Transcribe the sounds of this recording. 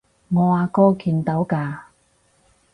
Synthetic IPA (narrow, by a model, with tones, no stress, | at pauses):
ŋɔː˨˧aː˨˧kɔː˥kʰiː˨˧nt̪ɐ˨˥wkaː˧